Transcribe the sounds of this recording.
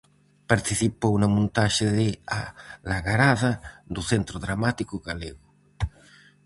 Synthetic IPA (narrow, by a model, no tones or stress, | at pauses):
paɾt̪iθipownamũnt̪aʃeðealaɣaɾaðad̪uθent̪ɾʊðɾamat̪ikʊɣaleɣʊ